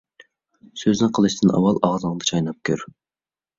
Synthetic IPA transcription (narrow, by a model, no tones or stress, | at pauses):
søznɪqʰəlˠɨʃt̪ɨnɑ̰wɑlˠɑʁd̪əŋd̪ɨt͡ʃʰɑjnɑp̚kʲʰø̰ɾ